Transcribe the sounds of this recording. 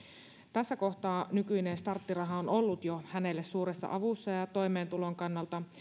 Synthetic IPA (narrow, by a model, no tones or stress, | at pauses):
t̪æsːæko̞ht̪ɑːnykyinenst̪ɑrt̪ːirɑɦɑonolːut̪johæne̞lːessuːɾesːɑ̰ʔɑʋusːɑjɑt̪o̞jme̞ːnt̪ulo̞ŋkɑnːɑlt̪ɑ